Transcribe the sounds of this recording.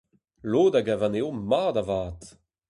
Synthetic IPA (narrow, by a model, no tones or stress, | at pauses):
loːdaɡavaneomaːdavaːt